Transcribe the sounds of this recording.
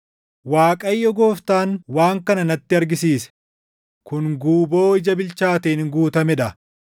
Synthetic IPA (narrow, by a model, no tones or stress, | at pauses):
waːkʼɐjːɔɡo̞ːft̪aːnwaːŋkɐnɐnɐt̪ːɪɐɾɡɪsiːsɛ̥ | kʊŋɡuːbo̞ːɪd͡ʒɐbɪlt͡ʃaːt̪eːnɪŋɡuːt̪ɐmɛᶑɐ